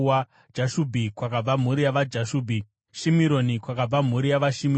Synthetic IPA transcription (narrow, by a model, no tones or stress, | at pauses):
a | d͡ʒaʃubʱikwakab͡vam̤uɾijaʋad͡ʒaʃuːbʱi | ʃimiɾonikwakab͡vam̤uɾijaʋaʃimi